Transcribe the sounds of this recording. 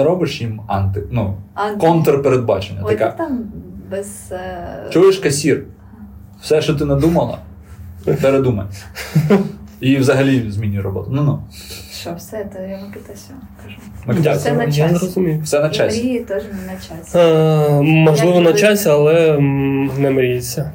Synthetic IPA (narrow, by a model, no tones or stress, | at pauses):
ɐɾɔbɪʃjimɑnt̪ɪnukɔnt̪ɾɐpeɾed̪̚bɑt͡ʃenʲːɐ̰t̪ɐkɛt̪ambɛz̥ | t͡ʃueʃkɐsʲir | wsɛʃt͡ʃɔt̪̬ɪnɐd̪umɐlˠɐ̰ | peɾed̪umɐ̰nʲ | iwzɐɦɐlʲizʲmʲinʲːujɾɔbɔ̰t̪ʊnunu | sɛt̪ɐjamɐkɪt̪ɛsʲɐ | kɐʒumɐkt̪ʲasnjanɾɔzʊmʲijʊsɛnɐt͡ʃasʲit̪ɔʒnɐt͡ʃasʲ | mɔʒllˠɪʋɔnɐt͡ʃasʲɐlˠɛ | nɛmɾʲjit͡sʲːɐ